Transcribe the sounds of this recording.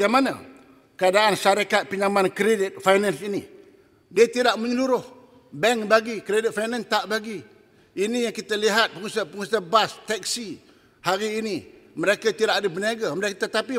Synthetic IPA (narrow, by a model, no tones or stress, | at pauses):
ɡamana̰ | kəadaʔanʃaɾakat̪̚piɲamankɾedɪt̪̚fajnansini | diət̪idaʔməɲəluɾʊh | bɛŋbaɡikɾedɪt̪̚fajnãnt̪aʔbaɡi | inijaŋkit̪aliɦat̪̚pəŋusapəŋusabast̪ɛk̚si | haɾiːniməɾekat̪idaʔadəbəniaɡamlakit̪at̪api